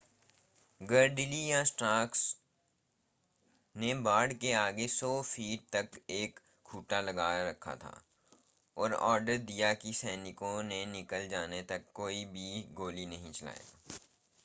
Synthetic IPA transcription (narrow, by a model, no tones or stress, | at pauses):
ɡəɾɖɪlijãsʈɾaːks | nebaːɽkeaːɡesɔːfiːʈ̚t̪ɐkeːk | kʰːuːʈalɐɡaːɾɐkʰa̰t̪ʰa̰ː | ɔːɾɔ̰ːɾɖəɾd̪ijakisɛːnɪkõnenɪkəld͡ʒaːnet̪ɐkːoːibʱiɡoːlinɐɦĩt͡ʃɐla̰ːja̰